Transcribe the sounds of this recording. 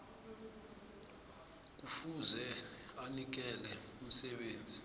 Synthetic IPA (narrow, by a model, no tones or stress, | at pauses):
k̬ufuzɛanik̬ɛlɛ | um̩sɛɓeːnd͡zʱi